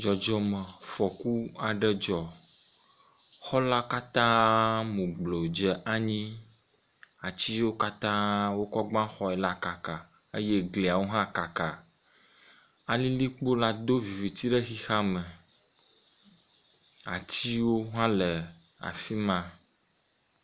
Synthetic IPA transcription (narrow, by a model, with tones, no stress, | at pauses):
d͡ʒɔ˨d͡ʒɔ˨mɛ˨fɔ˨ku˦a˨ɖɛ˦d͡ʒɔ˨ | xɔ˦la˦ka˦t̪ã˦mũ˨ɡ͡blo˨d͡ʒɛ˨ʔa˦ɲĩ˦ | a˨t͡ɕi˦wo˦ka˦t̪ã˦wo˦kɔ˦ɡ͡bã˦xɔ˦ɛ˨la˦ka˨ka˨ | e˦je˦ɡli˨a˨wo˦ɦã˦ka˨ka˨ | a˨lĩ˦li˦k͡po˦la˦d̪o˦vi˨vi˨t̪i˦ɖɛ˦xi˦xa˦mɛ˨ | a˨t͡ɕi˦wo˦ɦã˦lɛ˨ | a̰˨fi˦mã˦